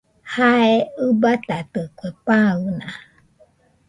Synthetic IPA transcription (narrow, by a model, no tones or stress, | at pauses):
haeɯbat̪at̪ɯkʷepãɯnã